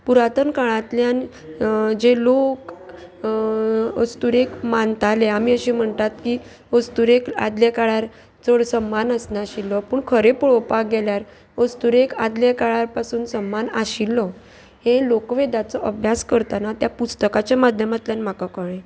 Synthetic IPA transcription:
puɾat̪ənkaɭãt̪ljan | d͡ʑelok | ə̰st̪uɾekmant̪aleamiːəɕiːm̤əɳt̪at̪kiː | əst̪uɾeka̰d̪ljakaɭaɾ | t͡səɽsəmːanəsnaɕilːɔpuːɳkʰəɾepɔɭopakɡeljaɾ | əst̪uɾekad̪ljakaɭaɾpasuːnsəmːanaɕilːɔ | hẽlokʋed̪at͡sɔʔəbʱjaskəɾt̪anat̪japust̪əkat͡ɕjamad̪ʱjəmat̪ljanm̤akakəɭe

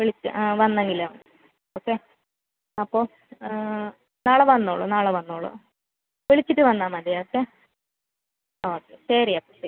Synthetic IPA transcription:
ʋiɭit͡ɕːɨ̰ʋɐnːeŋɡilon | oːkːe | ɐpːoː | naːɭeʋɐnːoːɭo̰naːɭeʋɐnːoːɭo̰ | ʋiɭit͡ɕːitːɨʋɐnːaːmɐd̪ejoːkːe | ooːkːeɕɐɾiɐpːoːɕɐɾi

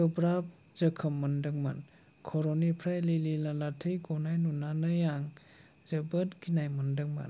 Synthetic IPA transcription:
ɯbɾap̚ | zɐkʰəmːɐndɯŋma̰n | kʰɔɾonipʰɾajlililalatʰəjɡɔnajnunanajaŋ | zəbətɡinajmɐndɐŋ̚ma̰n

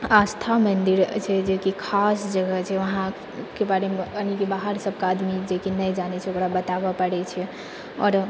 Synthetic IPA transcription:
ast̪ʰamənd̪iɾt͡ʃʰɛd͡ʒekikʰasd͡ʒəɡət͡ʃʰɛʋəɦã | kebaɾemənikebaɦaɾsəb̚ʱkːd̪mid͡ʒekinəjd͡ʒanɛt͡ʃʰɛokɾabət̪abapəɽɛt͡ʃʰɛ | ɔ̰ːɾ

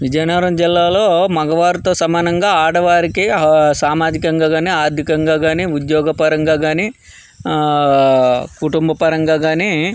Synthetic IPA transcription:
ʋid͡ʒɐjnɐɾɐnd͡ʒilːaːlo̞ːmɐɡɐʋaːɾut̪o̞ːsɐmaːnɐŋɡaːaːɽɐʋaːɾikisaːmaːd͡ʒ̪ʱikɐŋɡaːɡaːneːaːɾd̪ʱikɐŋɡaːɡaːneːud̪jɔːɡɐpɐɾɐŋɡaːɡaːneː | kuʈumbɐpɐɾɐŋɡaːɡaːneː

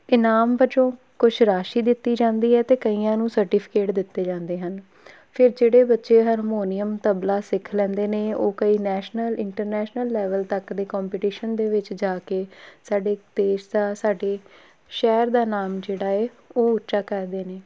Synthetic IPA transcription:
ɪnaːmbət͡ʃõː | kʊʃʰɾaːʃiːd̪ɪt̪ːiːd͡ʒãːnd̪iːɦɛːt̪eːkəĩːãːnũːsəɾʈɪːpʰɪ̥keːʈd̪ɪt̪ːeːd͡ʒãːnd̪eːɦən | pʰɪɾd͡ʒeːɽeːbətːʃeːɦəɾmoːnɪjəmt̪əblaːsɪkʰlɛ̃ːnd̪eːneːoːkəiːnɛːʃnəlɪɳʈəɾnɛːʃnəlːɛːʋəlt̪əkd̪eːkɔːmpiʈiːʃənd̪eːʋɪt͡ʃd͡ʒaːkeːsaːɖeːd̪eːʃd̪aːsaːɖeː | ʃɛːɾd̪aːnaːmd͡ʒeːɽaːɛː | oːʊtːʃaːkəɾd̪eːneː

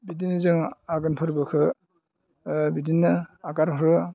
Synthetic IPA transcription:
bidinɯzɯŋaɡɯnpʰɯɾbɯkʰɯ | bidinːɯakaɾpʰɾɯ

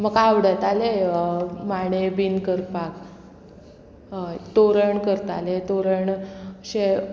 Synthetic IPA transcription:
məkaʋɽət̪ale | maɽ̃ebinkəɾpak | t̪oɾəɳkəɾt̪a̰let̪oɾəɳɕe

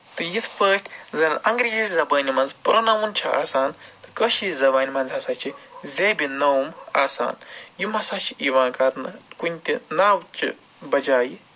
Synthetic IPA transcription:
t̪ɨjit̪ʰpəːʈʲʰzɐnɐʔɐ̃ŋɡɾiziszɐbɐːnimɐnzpɾʔonamunt͡ʃʰɐa̰ːsaːnt̪ɨ̥kəʃizɐbaːnʲimɐnzɦɐsaːt͡ʃʰizʲeːbʲinɐwmaːsa̰ːnjumɦɐsaːt͡ʃʰiiʋaːnkɐɾnɨkunʲt̪ʲinaːwt͡ʃḭ | bɐd͡ʒaːji

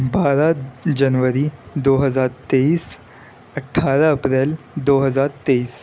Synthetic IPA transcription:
baːɾad͡ʒənʋəɾid̪oːɦəzaːɾt̪eiːs | əʈʰːaːɾaəpɾel | d̪oːɦəzaːɾt̪eiːs

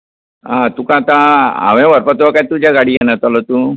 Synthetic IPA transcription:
ãt̪ukãːt̪ãa̰ʋɛ̃ʋəɾpat̪uʋakajt̪ud͡ʑaɡaɽijɛnat̪alɔt̪u

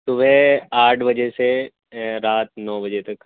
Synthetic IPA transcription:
sʊbʱɛaːʈʰʋɐd͡ʒese | ɾaːt̪̚nɔːbɐd͡ʒet̪ɐk

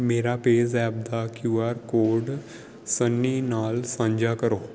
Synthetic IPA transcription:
meːɾapeːzɛːb̚d̪akjuːaːɾkoːɾɖ | sənːinaːlsãːɲd͡ʒakəɾoː

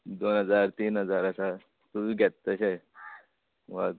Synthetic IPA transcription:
d̪onɦəd͡zaɾt̪iːnɦəd͡zaɾəsa | t̪uiɡʱɛt̪ːəɕe | ʋa

